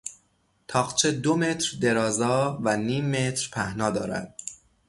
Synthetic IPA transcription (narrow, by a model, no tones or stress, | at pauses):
t̪ʰɒːχt͡ʃʰed̪ome̞t̪ʰɾd̪e̞ɾɒːzɒːvæniːmːe̞t̪ɾpʰæhnɒːd̪ɒːɾæ̰d̪̥̚